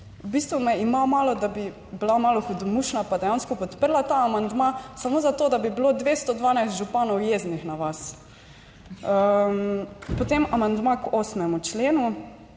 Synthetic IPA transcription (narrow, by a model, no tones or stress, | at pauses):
bist̪ʋumɛimamaːlɔd̪abi | bilamalɔxud̪muʃnapad̪ɛjanskɔpɔt̪pəɾlat̪aːmand̪masamozat̪oːd̪abibilod̪ʋest̪ɔd̪ʋaːnajst̪ʒupanɔwjeznixnaʋas | ə | pɔt̪emamand̪makoːsmɛmut͡ʃleːnu